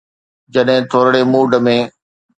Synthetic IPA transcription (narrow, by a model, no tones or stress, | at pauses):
d͡ʑɐɗɦɪ̃t̪ʰoːɾɽemuːɖəmẽː